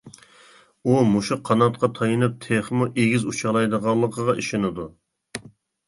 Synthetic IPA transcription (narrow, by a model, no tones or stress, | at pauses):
umuʃuqʰːɑnɑt̪̚qʰɑt̪ʰɑjɨnɨp̚t̪ʰeχmuʔeɡʲizut͡ʃʰɑlˠɑjd̪əʁɑlˠːəqʰəʁɑʔiʃɪnɨd̪u